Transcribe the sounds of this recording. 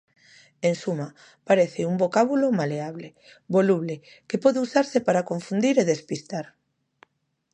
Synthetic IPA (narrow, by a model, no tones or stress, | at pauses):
ensuma | paɾeθɪumbokaβulomaleaβle | βoluβle | kepɔðeusaɾsɪpaɾakoɱfund̪iɾeðespist̪aɾ